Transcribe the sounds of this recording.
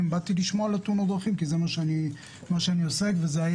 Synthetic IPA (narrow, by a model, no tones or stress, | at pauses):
mbat̪iliʃmoalat̪unod̪ʁaχimkizemaʃeani | maʃeaniose̞kvezeaj